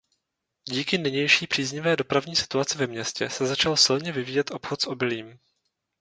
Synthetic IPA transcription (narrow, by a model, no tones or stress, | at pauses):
ɟiːkɪnɪɲɛjʃiːpr̝̥iːzɲɪvɛːdo̞pɾavɲiːsɪ̥t̪uat͡sɪvɛmɲɛscɛsɛzat͡ʃalsɪlɲɛvɪviːjɛt̪ʔo̞pxot̪sʔo̞bɪliːm